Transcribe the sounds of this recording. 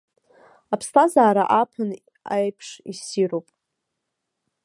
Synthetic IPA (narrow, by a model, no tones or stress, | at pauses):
apʰstʰazaːɾaʔapʰɨn | ajpʰʂisiɾowpʼ